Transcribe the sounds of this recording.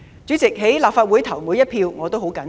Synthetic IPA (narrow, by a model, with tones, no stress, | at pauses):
t͡ʃyː˨˥t͡sɪ˨k̚ɦe˨˥jlaː˨p̚faː˧t̚wu˨˥jt̪ʰɐ˨˩wmu˨˧jɐ˥t̚pʰiː˧wŋɔː˨˧t̪o˥wɦo˨˥wkɐ˨˥n